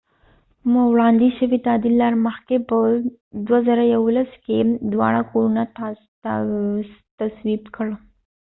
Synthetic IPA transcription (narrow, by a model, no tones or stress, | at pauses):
məwɽaːnd̪iɕɐʋit̪ad̪ilːaɾmɐhkepəd̪ʋɐzəɾajɐwləsked̪ʋa̰ɽakoɾunat̪ | t̪ɐsʋiːbkʰəɽə